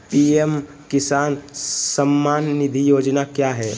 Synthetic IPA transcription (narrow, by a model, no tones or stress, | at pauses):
piːem | kɪsaːnsəmːaːnːɪd̪ʱijoːd͡ʒnakjaːɦɛː